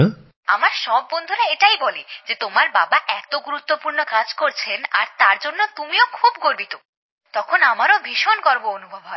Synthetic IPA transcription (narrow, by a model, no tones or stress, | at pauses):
a̰maɾʃɔbːond̪ʱuɾaeʈajbolid͡ʑet̪omaɾba̰baʔɛt̪oɡuɾut̪ːopuɾnokad͡ʑkoɾt͡ɕʰena̰ɾt̪aɾd͡ʑonːot̪umiokʰubɡoɾbit̪o | t̪ɔkʰonamaɾobʱiʃonkɔɾboonubʱobɦɔe